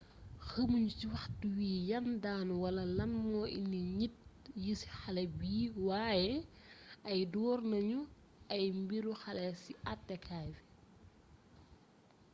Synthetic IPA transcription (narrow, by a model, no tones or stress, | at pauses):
xəmuɲuciwɐxt̚uwiːjɐndaːnuwɐlɐlɐnmɔːʔḭnːiɲit̚jisxɐlɛbiːwaːjɛ | ɐjdɔːrnɐɲu | ɐjmbiɾuxɐlɛsiʔɐtːɛkʰaːjfɛ̥